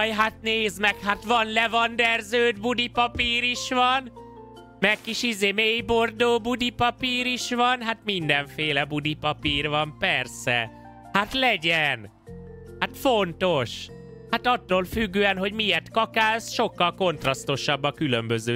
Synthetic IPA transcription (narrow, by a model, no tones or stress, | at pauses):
jɦat̪neːzmɛkhat̪ʋɒnlɛvɒnd̪ɛrzøːd̪bud̪ipɒpiːɾiʃʋɒn | mɛkkːiʃizeːmeːjbord̪oːbud̪ipɒpiːɾiʃʋɒnɦat̪mind̪ɛɱfeːlɛbud̪ipɒpiːrʋɒmpɛrsɛ̰ | hat̪lɛɟɛn | hat̪fo̞nt̪o̞ʃ | hat̪ɒt̪ːoːlfyɡːøːɛnɦo̞ɟmijɛrt̪kɒkaːlsʃo̞kːɒlko̞nt̪rɒst̪o̞ʃɒbːɒkylømbøzøː